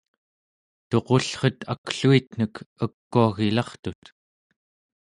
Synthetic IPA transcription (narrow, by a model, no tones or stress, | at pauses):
t̪o̞qo̞ɬχʌt̪ʰakɬuit̪n̥əkəkːuaɣilɑχt̪ut̪